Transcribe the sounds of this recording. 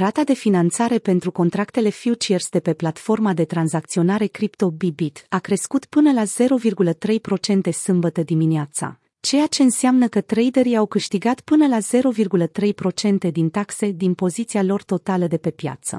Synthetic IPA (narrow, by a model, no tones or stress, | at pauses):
ɾat̪ad̪e̞finant̪saɾe̞pe̞nt̪ɾuko̞nt̪ɾakt̪e̞le̞fiut͡ʃersd̪e̞pe̞plat̪fo̞rmad̪e̞t̪ɾanzakt̪sio̞naɾe̞kɾipt̪o̞bibit̪akɾe̞skut̪pɨnəlaz̥e̞ɾo̞virɡulət̪ɾe̞jpɾo̞t͡ʃe̞nt̪e̞sɨmbət̪əd̪imineat̪sa̰ | t͡ʃe̞jat͡ʃe̞ɨnsɪamnəkət̪ɾe̞jd̪eɾiawkɨʃt̪iɡat̪pɨnəlaze̞ɾo̞virɡulət̪ɾe̞jpɾo̞t͡ʃe̞nt̪e̞d̪int̪akse̞d̪inpo̞zit̪sialo̞rt̪o̞t̪aləd̪e̞pe̞pja̰t̪sə̰